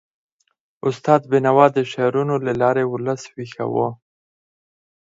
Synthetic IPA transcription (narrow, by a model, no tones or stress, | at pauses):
ʊst̪ɑːd̪bɪnawɑd̪əʃaɾunolalɑɾeʊləswixa̰wo